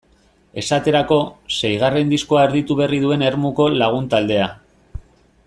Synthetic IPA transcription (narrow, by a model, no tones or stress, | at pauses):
e̞sat̪e̞ɾako̞sejɣ̞are̞nd̪isko̞aeɾðit̪uβe̞riðue̞ne̞ɾmuko̞laɣ̞unt̪ald̪e̞a